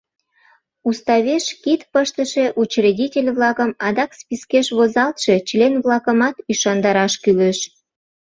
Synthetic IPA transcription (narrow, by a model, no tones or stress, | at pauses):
ust̪ɑβeʃkit̪pəʃt̪əʃe̽ʔut͡ɕredʲitʲelʲβlɑkəmɑd̪ɑkspʲiskeʃβozɑlt̪ʃe̽t͡ɕlenβlɑkəmɑt̪yʃɑnd̪ɑɾɑʃkyleʃ